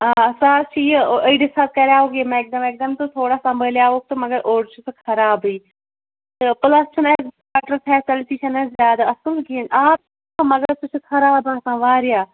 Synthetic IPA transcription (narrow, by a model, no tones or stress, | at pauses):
aːɐsaːt͡ʃʰiːəiɖɪsaːt̪̚kɛɾaːoːɡemɛ̃ɪk̚d̪əmɪk̚d̪əmt̪õːt̪ʰoːɽaːsɐmbəljaːoːk̚t̪oːməɡəɾʔoːɾt͡ʃʰʊt̪kʰɐɾaːbiː | t̪epləst͡ʃʰʊnɛ | aːʈəɾpʰɛːsəlʈiːʃənɛzjaːd̪aːəsəlɡiːnaːp̚ː | məɡəɾt̪ʊt͡ʃʰkʰɐɾaːbaːt̪ãːʋaːɾɪjaː